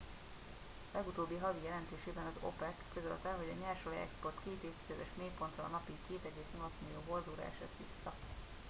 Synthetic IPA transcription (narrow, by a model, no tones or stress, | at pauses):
lɛɡut̪oːbːiɦɒɡ̪ijɛlɛnt̪øːʃeːbɛnɒzo̞̰pɛkːø̞zø̰lt̪ɛlɦo̞ɟɒɲɛrʃolḭɛ̰kspo̞rt̪keːt̪eːfzøvɛʃmeːpo̞nt̪rɒ̰ːnɒpikeːt̪ɛɡeːsɒnosmiijoːbo̞rd̪uɾa̰ːɛʃɛ̰ːt̪ʋisːɒ